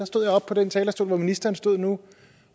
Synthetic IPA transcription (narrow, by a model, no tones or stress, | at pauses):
ɑ̈sd̥o̝ð̞̰ˠjɒ̽b̥̚pʰɒ̽d̥ent͡sʰɛːlɐsd̥o̝ːlʋɒminisd̥ɐɐnsd̥o̝ð̰ˠnu